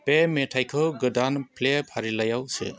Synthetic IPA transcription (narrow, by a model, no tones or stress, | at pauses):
pemetʰajkʰɯɡɯdanpʰlepʰaɾilajawsɯ̰